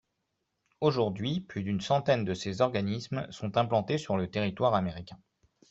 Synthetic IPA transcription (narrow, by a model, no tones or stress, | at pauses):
oʒuʁd̪ɥiplyd̪ynsɑ̃t̪ɛnd̪əsezɔʁɡanismsɔ̃t̪ɛ̃plɑ̃t̪esyʁlət̪eʁit̪waʁameʁikʲɛ̃